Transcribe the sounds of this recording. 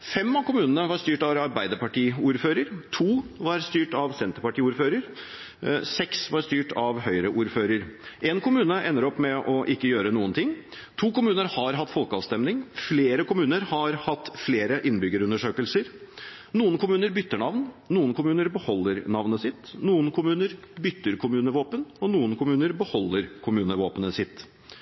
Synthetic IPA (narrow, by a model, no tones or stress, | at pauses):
fɛmːɑkʰʊmʉːnənəʋɑɾst̪yːʈɑɾɑɾbæɪd̪əpɑʈiːuːɾføːɾəɾt̪ʰuːʋɑɾst̪yːʈɑʋsɛnt̪əɾpɑʈiːuːɾføːɾəɾ | sɛksʋɑɾst̪yːʈʰɑʋhœʏɾəʔuːɾføːɾəɾʔeːnkʰʊmʉːnəʔɛnːəɾɔpːmɛʔɔʔɪkːəjøːɾənuːənt̪ʰɪŋː | t̪ʰuːkʊmʉːnəɾhɑɾɦɑt̪ːfɔlkəɑ̰ːʋst̪ɛmnɪŋfleːɾəkʊmʉːnəɾhɑɾhɑt̪ːfleːɾəʔɪnbʏɡəɾʉnd̪əʂøːkəlsəɾnuːənkʰʊmʉːnəɾbʏt̪ːəɳɑʋnnuːənkʰʊmʉːnəɾbəhɔlːəɾnɑʋnəsɪt̪ːnuːənkʰʊmʉːnəɾbʏt̪ːəɾkʰʊmʉːnəʋoːpənɔnuːənkʰʊmʉːnəɾbəhɔlːəɾkʰʊmʉːnəʋoːpənəsɪt̪ː